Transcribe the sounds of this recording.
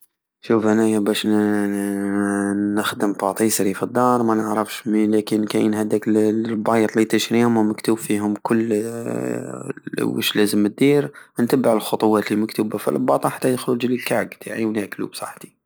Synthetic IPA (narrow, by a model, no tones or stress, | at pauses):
ʃufʔænæjbæʃ | nəxd̪əmt̪ɑt̪ˤisɾifəd̪ːɑɾˤmænəʕɾəfʃmilækənkæjənhæd̪ækbɑjt̪ˤlit̪əʃɾiʊməməkt̪ubfihʊmkʊlː | wə̰ʃlæzəmːət̪̚d̪iɾnt̪æbːəʕəlxot̪ˤʊwɑt̪liməkt̪uːbafḭlbɑt̪ˤɑħat̪ːæjd̪xld͡ʒlilkaʕɡt̪ʰaʕiwnæklṵbsˤɑ̰ħt̪i̥